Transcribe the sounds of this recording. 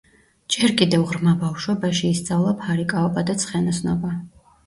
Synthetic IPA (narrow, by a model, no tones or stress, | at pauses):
d͡ʒɛɾkʼid̪ɛvʁɾmabafʃwɛbaʃiːst̪sʼavlˠapʰaɾikʼaɔbad̪at̪sʰχɛnɔsnɔba